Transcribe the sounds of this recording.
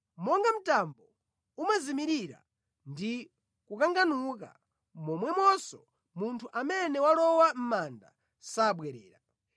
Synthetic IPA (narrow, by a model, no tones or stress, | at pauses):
mɔŋɡam̩tambɔ | umazimiɾiɾa̰ | ndi | kukaŋɡanuka̰ | mɔmwɛmwɔsɔ | muntʰuʔamɛnɛwalɔwam̩manda̰ | saɓwɛɾɛ̰ːɾa